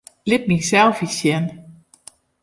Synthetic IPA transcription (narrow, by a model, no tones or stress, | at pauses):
lɪt̚nisɛlˠfisjɛn